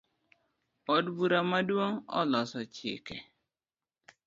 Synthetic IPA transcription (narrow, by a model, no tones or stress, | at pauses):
ɔdbuɾamadwoŋɔ̰lɔsɔt͡ʃɪ̰kɛ